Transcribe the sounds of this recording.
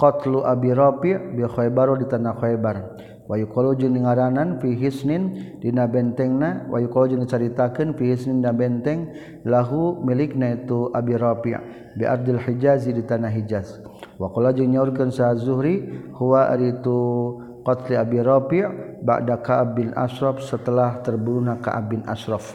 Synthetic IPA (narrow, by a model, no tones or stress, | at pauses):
qɔt̪luʔabiɾapiʕbixɔɛbaɾɔdit̪anaxɔɛbar | wajukolɔd͡ʒindiŋaɾananfiɦisnɪndinabɛnt̪ɛŋnawʔa̰jukolɔd͡ʒindit͡ʃaɾit̪akənfihisnɪndinabɛnt̪ɛŋ | laɦumilɪknait̪uʔabiɾapḭʔ | biʔa̰rd̪alħid͡ʒazidit̪anaɦid͡ʒas | wakɔlad͡ʒiɲaurkansazuɦɾihuwa̰ɾit̪u | kɔt̪liabiɾɔpiʕ | ba̰ʔdakaʔab̚ːinʔa̰ʃɾɔfsət̪əlaht̪ərbuɾunaka̰ʔa̰b̚ːɪnʔa̰ʃɾɔf